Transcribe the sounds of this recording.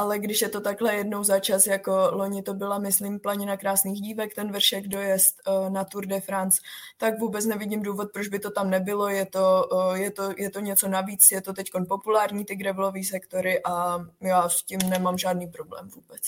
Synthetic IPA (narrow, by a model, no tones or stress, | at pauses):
ʔalɛɡdɪʃjɛt̪o̞t̪aklɛjɛdnowzat͡ʃasjako̞lo̞ɲɪt̪o̞bɪlamɪslimplaɲɪnakɾaːsniːxɟiːvɛkt̪ɛnvr̩ʃɛɡdo̞jɛst̪nat̪uɾdɛfɾant͡st̪akvuːbɛt͡snɛvɪɟɪmduːvot̪̚pɾod͡ʒbɪt̪o̞t̪amnɛbɪlo̞jɛt̪o̞jɛt̪ojɛt̪oɲɛt͡so̞naviːt͡sjɛt̪o̞t̪ɛcko̞npo̞pulaːɾɲiːt̪ɪɡɾɛvlo̞viːsɛkt̪o̞ɾɪʔajaːscimnɛmamʒaːdniːpɾo̞blɛ̰ːmvuːbɛt͡s